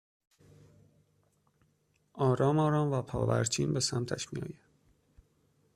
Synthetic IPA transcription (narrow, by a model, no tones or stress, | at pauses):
ʔɒːɾɒːmɒːɾɒːmvæpʰɒ̰ːvæ̰ɾt͡ʃʰiːnbe̞sæmt̪ʰæ̰ʃmijɒ̰ːjæd̪̥